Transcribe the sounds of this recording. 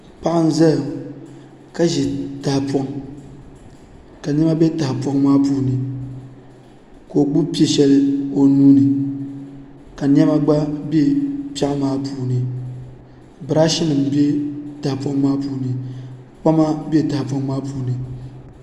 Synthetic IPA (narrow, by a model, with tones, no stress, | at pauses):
pa˦ʔa˦n̩˦za˦l | ka˦ʒi˨ta˨hpɔ˦ŋ | ka˨n˦ɛ˦ma˦be˦ta˨ɪ˨pwɔ˦ŋmaː˦puː˦nɨ˨ | ko˨ɡ͡bu˦pi˦e˨ʃɛ˦lɨ˦o˨nuː˦nɨ˨ | ka˨n˦ɛ˦ma˦ɡ͡ba˦be˦pa˦ʔmaː˦puː˦nɨ˨ | bɨ˨ɾa˦ʃi˦nɨ˨m˨be˦ta˨hpɔ˦ŋmaː˦puː˦nɨ˨ | k͡pa˦ma˦bi˦e˦˨ta˨hpɔ˦ŋmaː˦puː˦nɨ˨